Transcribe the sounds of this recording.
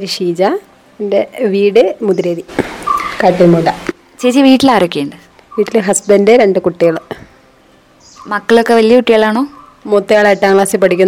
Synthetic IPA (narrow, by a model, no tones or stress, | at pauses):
ɐɾiʂiːd͡ʑa | endeʋiːɽɨmud̪iɾeːði | kaːʈːilmoːʈɐ | t͡ɕeːt͡ɕːiʋiːʈːilaːɾɐkːeːɳɖɨ | ʋiːʈːilɦɐsbɐndeɾeɳɖɨkuʈːijɐɭɨ | mɐkːɐɭokːe̞ʋɐlijɐkuʈːijaːɭaːɳoː | mot̪ːejaːɭeːʈːaːŋɡɭaːsɨpɐʈikʲːunː